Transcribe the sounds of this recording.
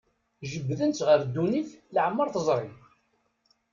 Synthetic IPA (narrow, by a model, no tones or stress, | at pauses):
ʒəbːðənt̪ʁəɾd̪ːuniθləʕmːəɾθəzˤɾˤɪ